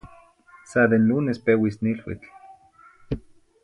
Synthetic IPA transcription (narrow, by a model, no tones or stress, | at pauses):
saðenlunespewisnilwḭt͡ɬ